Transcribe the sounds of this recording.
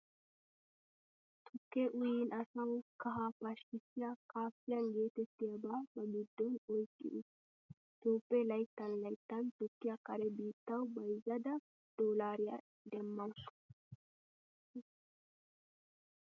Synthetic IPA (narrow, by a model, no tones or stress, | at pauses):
t̪ʰʊkːeʔʊjɪnɐsɐwkɐɦapɐʃkɪsːɪjakaːfːɪjɐnɡe̞ːt̪ɛt̪ːɪjɐbaːbɐɡɪd̪ːɔnɔjkʼːɪ̰ʔ̪ʊs | t̪uːpːɛlɐjt̪ːɐnlɐjt̪ːɐnt̪ʊkːɪjɐkɐɾɛbiːt̪ːɐwbɐjzɐd̪ɐ | d̪̥oːlaːɾɪjɐ̰ | d̪ɛmːɐn